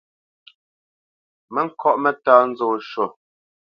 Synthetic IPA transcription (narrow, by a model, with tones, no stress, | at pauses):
mɛ˦ŋ̩˦˨kʰɔ˦˨ʔmɛ˦taː˦n̩˦zoː˨ʃo˨